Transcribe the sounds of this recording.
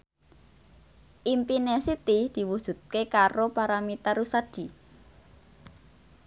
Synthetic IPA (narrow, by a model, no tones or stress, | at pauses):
ʔimpinesit̪id̪̥i̤wud̥ʒ̥ṳt̪̚kekaɾopaɾamit̪aɾusad̥i̤